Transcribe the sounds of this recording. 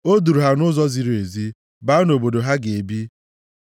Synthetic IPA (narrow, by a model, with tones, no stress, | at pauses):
o˦du˨ɾu˨ɦa˦nʊ˦zɔ˦zi˦ɾe˨zi˦ | baː˦no˨bo˨do˨ɦa˦ɡe˨bi˦